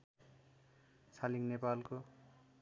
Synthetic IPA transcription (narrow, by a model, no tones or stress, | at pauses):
sʰaliŋnepalko